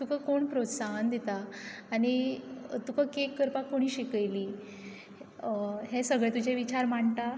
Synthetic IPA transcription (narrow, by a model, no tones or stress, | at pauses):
t̪ukakoɳpɾot̪saɦənd̪it̪aːɽ̃it̪ukakekːəɾpakoɽ̃iːɕikəjliː | ɦesəɡɭɛt̪ud͡ʑeʋit͡ɕaɾm̤aɳt̪a